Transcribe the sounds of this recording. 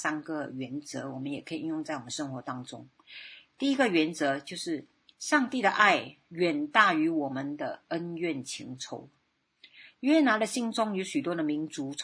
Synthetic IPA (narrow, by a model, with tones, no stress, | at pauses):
sa˥nɡə˨ɥɛ˧˥nt͡sɤ˧˥wɔ˨˩mə˦njɛ˨˩kʰə˧˥i˨˩i˥˧jʊ˥˧ŋt͡sa˥˩ɪwɔ˨˩mə˦nʂɤ˥ŋxwɔ˧˥t̪ɑ˥ŋʈ͡ʂʊ̰˥ŋ | t̪i˥˩i˦˥ɡə˨ɥɛ˧˥nt͡sɤ˧˦t͡ɕjo˥˧ʊʂɻ̩˥˩ | ʂɑ˥˧ŋt̪i˥˩d̪ə˩ʔa˥˩ɪ | ɥɛ˨˩nt̪a˥˩y˧˥wɔ˨˩mə˨˦nd̪ə˨ə˦˥nɥɛ˥˩nt͡ɕʰḭ˧˥ŋʈ͡ʂʰo̰˧˥ʊ | ɥɛ˥na˧˥nlə˧ɕi˥˩ŋt͡sʊ˥ŋy˧˥ɕy˨˩t̪wɔ˥d̪ə˨mi˧˥nt͡su˧˥